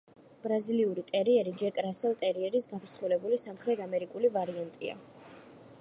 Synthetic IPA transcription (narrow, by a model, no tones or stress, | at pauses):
b̥ɾaziliuɾit̪ʼɛɾiɛɾid͡ʒɛkʼɾasɛlˠt̪ʼɛɾiɛɾisɡapʰsχulɛbulisamχɾɛt̪ʰamɛɾikʼulivaɾiant̪ʼia̰